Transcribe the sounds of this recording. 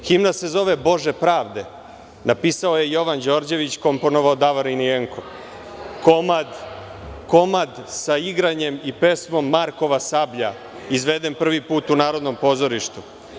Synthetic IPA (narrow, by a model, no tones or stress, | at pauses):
ximnase̞zo̞ʋe̞bo̞ʒe̞pɾaːʋd̪e̞ | napiːsaoje̞jo̞ʋand͡ʑo̞ɾd͡ʑe̞ʋit͡ɕko̞mponoʋaod̪aʋaɾinieŋkʰo̞ | komad̪ | ko̞mad̪saiɡɾaɲe̞mipe̞smo̞mːaɾko̞ʋasabʎa | izʋe̞d̪enpr̩ʋipuːt̪unaːɾo̞d̪no̞mpo̞ːzo̞ɾiʃt̪u